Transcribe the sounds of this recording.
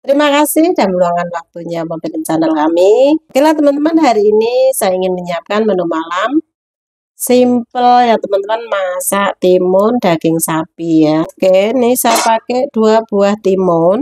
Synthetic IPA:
t̪əɾimakasɪhd̥a̤məluaŋanwak̚t̪uɲamap̪iɾint͡ʃanəlkamikelat̪əmant̪əmanɦaɾiːnisajaiŋɪnməɲiap̚kanmənumalam | simpəljat̪əmant̪əmanmasaʔt̪imʊnd̥a̤ɡ̥ɪŋsapijakenɪsajapakɛʔd̥uab̥uaht̪imʊn

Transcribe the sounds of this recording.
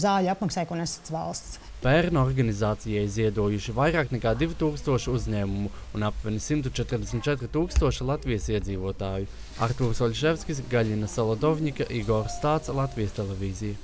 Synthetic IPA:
zaːlʲapmaksaːjkunɛsḁt̪sva̰lˠst̪s | pɛɾnɔɾɡanizaːt̪sijaiziɛd̪uɔjuʃivajɾaːknɛkaːd̪ivit̪uːkst̪uɔʃiuzɲɛːmumu | unapvʲɛnisimt̪ut͡ʃɛt̪ɾd̪esmʲit̪t͡ʃɛt̪ɾit̪uːkst̪uɔʃilˠat̪vijəsiɛd̪ziːvuɔt̪aːju | a̰ɾt̪uːɾsɔlʲʃɛvskʲisɡaʎʲinasalˠɔd̪ɔvɲikaʔiɡɔɾst̪aːt̪slˠat̪vijəst̪ɛlˠɛviːzijɐ

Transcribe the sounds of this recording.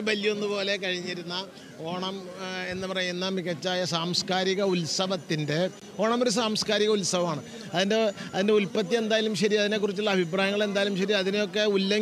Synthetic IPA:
bɐljɐonːɨpo̞ːle̞kɐɻiɲːiɾunːɐ | oːɳɐme̞nːɨpɐrɐjunːɐmiɣɐt͡ɕːaːjɐsaːmskaːɾiɣɐulsɐʋɐt̪ːinde̞ | o̞ːɳɐmoɾus̬aːmskaːɾiɣɐulsɐʋɐmaːɳɨ | ɐðindeɐðindeulpɐt̪̬ːie̞nd̪aːjlumɕɐɾiɐðine̞kːurit͡ɕːuɭːɐɐbʱip̬raːjɐŋːɐɭe̞nd̪aːjlumɕɐɾiɐðinejo̞kːe̞ulːɐ

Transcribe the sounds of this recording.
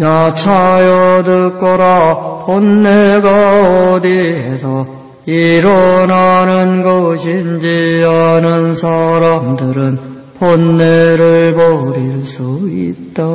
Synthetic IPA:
jat͡ɕʰajʌdɯk͈ʌɾaponːeɡaodiɦesʰʌ | iɾʌnanɯnɡʌɕʰind͡ʑianɯnsʰaɾamdɯɾɯn | ponːeɾɯɭboɾiɭs͈uḭt̚t͈a

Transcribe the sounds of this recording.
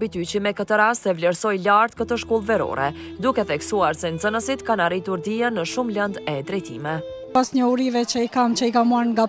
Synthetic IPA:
bit̪yt͡ɕəmɛkət̪əɾast̪ɛvlɛɾsɔjlaɾt̪̚kət̪əʃkɔlˠvɛɾɔ̰ɾɛ̰ | d̪ukɛθɛksuaɾsɛnzənəsit̪kanaɾit̪uɾd̪iənːəʃumlənd̪ɛd̪ɾɛjt̪ḭmɛ | asɲəuɾivɛt͡ʃəikamt͡ʃəikamuaɾŋɡa

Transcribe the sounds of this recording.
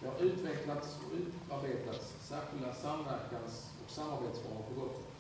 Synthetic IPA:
d̪ɛhaɾʉ̟ːt̪vɛklat̪sɔ̰ʉ̟ːt̪aɾbeːt̪lat̪sːɛːɧɪlasamvæɾkans | ɔksamːaɾbeːt̪sbɑɡ̪pʰɔɡɔt̪ː

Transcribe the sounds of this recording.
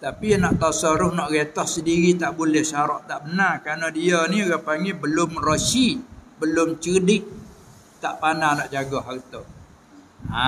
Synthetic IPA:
t̪apinaʔt̪asəɾʊhnɔʔɡet̪ɔhsədiɾit̪aʔbulɛhsaɾɔʔt̪aʔbənarkɾanadianioɡapaŋɡibəlʊmrosibəlʊmt͡ʃədɪʔ̚ | t̪aʔpananɔʔd͡ʒaɡɔɦart̪o | a

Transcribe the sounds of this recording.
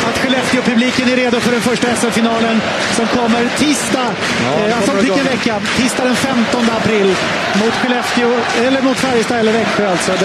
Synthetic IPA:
at̪ɧɛlɛft̪ɪʊpʰɵbliːkənæɾeːd̪ʊfœɖɛnfœʂʈaɛsːɛfɪnɑːlən | sɔmkʰɔmːəɾt̪ʰiːst̪a | sɔːɛnvɛkːat̪ʰiːst̪ad̪ɛnfɛmt̪ɔnd̪əapʰɾɪlː | mʊt̪ɧɛlɛft̪ɪʊ | ɛlːəɾmʊt̪fæɾjəst̪ɑːɛlːəɾvɛkːəalt̪sɔ

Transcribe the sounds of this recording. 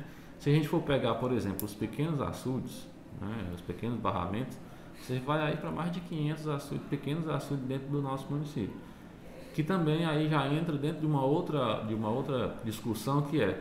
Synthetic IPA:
sɪɐʒẽnt͡ʃɪfoɾpɛɡaɾpoɾezẽmplʊʊspekẽnʊza̰sud͡ʒɪs | nɛ̰ʊ̰spekẽnʊzbaɦa̰mẽnt̪ʊ̥s | vosevajaipɾɐmajzd͡ʒɪkĩɲẽnt̪ʊzasud͡ʒpekẽnʊzasud͡ʒɪzd̪ẽnt̪ɾʊd̪ʊnɔsʊmũnisipjʊ | kɪt̪ɐ̃mbẽj̃aiʒaẽnt̪ɾɐd̪ẽt̪ɾʊd͡ʒɪũmɐowt̪ɾɐd͡ʒɪũmɐowt̪ɾɐd͡ʒiskusɐ̃w̃kɪɛ

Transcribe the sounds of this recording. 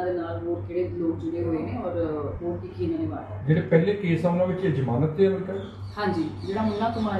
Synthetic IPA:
d̪eːnaːlʋoːkeːɽeːloːk̚d͡ʒʊɽeɦoːeːnẽːɔːɾoːkikʰiːnãːnẽʋaːɾ | d͡ʒeːɽeːpɛːleːkeːsaːʊnãːʋɪt͡ʃed͡ʒəmaːnət̪deːɾət̪aː | hãːɲd͡ʒiːd͡ʒeːɽaːɦʊnːãːt̪ʊmaː

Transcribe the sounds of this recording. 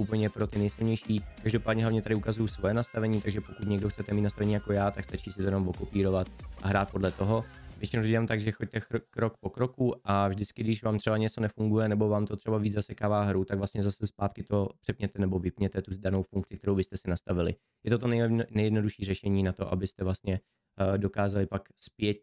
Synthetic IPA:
ʔupl̩ɲɛpɾo̞t̪ɪnɛjsɪlɲɛjʃiːkaʒdo̞paːdɲɛɦlavɲɛt̪adɪukazujusvo̞jɛnast̪avɛɲiːt̪aɡʒɛpokut̪ɲɛɡdoxtt͡sɛt̪ɛmiːt̪nast̪avɛɲiːjako̞jaːt̪akst̪at͡ʃiːsɪt̪ojɛnomvo̞ko̞piːɾo̞vat̪ʔaɦɾaːt̪̚po̞dlɛt̪o̞ɦo̞vjɛt͡ʃɪnowt̪oɟɛaːmt̪aɡʒɛxo̞c̚t̪ɛkɾokpo̞kɾo̞kuʔavʒdɪt͡skɪɡdɪʃvaːmt̪r̥ɛbaɲɛt͡so̞nɛfuŋɡujɛnɛbo̞vaːmt̪o̞t̪r̥ɛbaviːd͡zzasɛkaːvaːɦɾut̪aɡvlast̪ɲɛzasɛspaːt̪kɪt̪o̞pr̥ɛpɲɛt̪ɛnɛbo̞vɪpɲɛt̪ɛt̪udanowfuŋktt͡sɪkt̪ɛɾowbɪst̪ɛsɪnast̪avɪlɪ̰ | jɛt̪ot̪onɛnɛjɛdno̞duʃiːrɛʃɛɲiːnat̪o̞ʔa̰bɪst̪ɛvlast̪ɲɛ | do̞kaːzalɪpakspjɛt̪̚

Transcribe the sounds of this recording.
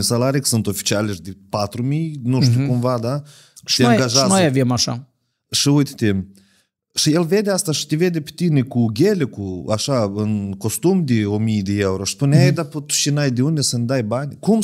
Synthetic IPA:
salaɾʲijkə̥sɨnt̪o̞fi̥t͡ʃialʲeʃd̪epat̪ɾumijnuʃt̪ʲukumvad̪a | aoŋjɡaʒaznojavemaʃa̰ | ʃiujt̪t̪em | ʃijelve̞d̪ʲeast̪aʃi̥t̪eved̪epe̥t̪inekuɡʲelʲekuaʃaɨnko̞st̪umd̪eomijd̪eewɾoʃspunʲejd̪apət̪u̥ʃinajd̪eund̪esənʲd̪ajbanʲkum

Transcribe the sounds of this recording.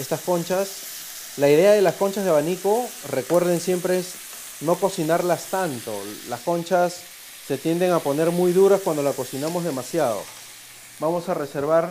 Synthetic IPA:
est̪asko̞nt͡ʃas | laiðe̞aðe̞lasko̞nt͡ʃazðeβaniko̞re̞kwe̞ɾð̞e̞nsje̞mpɾe̞es | no̞ko̞sinaɾlast̪ant̪o̞̰lasko̞nt͡ʃasː | e̞t̪je̞nd̪e̞ŋapo̞ne̞ɾmujðuɾaskwand̪o̞lako̞sinamo̞zð̞e̞masjað̞o̞̰ | bamo̞sare̞se̞ɾβaɾ

